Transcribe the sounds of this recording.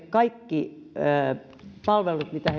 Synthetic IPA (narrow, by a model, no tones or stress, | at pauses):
kɑikːi | pɑlʋelut̪mit̪æhe